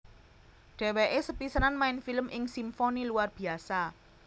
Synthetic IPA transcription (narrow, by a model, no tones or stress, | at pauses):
ɖ̥e̤weʔesəpisəɾanmaɪnfiləmʔɪŋsimfoniluarb̥i̤asa